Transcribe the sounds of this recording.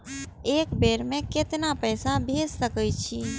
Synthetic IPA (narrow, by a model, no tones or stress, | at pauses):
ekbeɾmẽket̪napəjsabʱessəkəjt͡ʃʰi